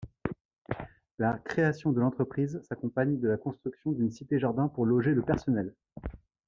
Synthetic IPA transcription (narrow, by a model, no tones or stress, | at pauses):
lakχeasjɔ̃d̪əlɑ̃t̪χəpχizsakɔ̃paɲd̪əlakɔ̃st̪χyksjɔ̃d̪ynsit̪eʒaʁd̪ɛ̃puʁlɔʒeləpɛʁsɔnɛl